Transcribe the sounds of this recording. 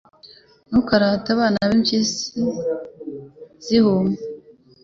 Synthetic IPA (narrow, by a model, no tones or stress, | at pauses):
nukaɾataβaːnaβemt͡ʃisi | z̥ihome